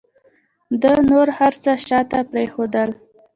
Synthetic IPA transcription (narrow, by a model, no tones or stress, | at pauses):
d̪ənoɾhaɾt͡səʃɑt̪apɾexod̪əl